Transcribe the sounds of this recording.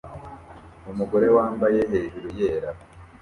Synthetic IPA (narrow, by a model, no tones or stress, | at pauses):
umuɡoɾe̞waːmbaje̞ɦeɾiɾujeːɾa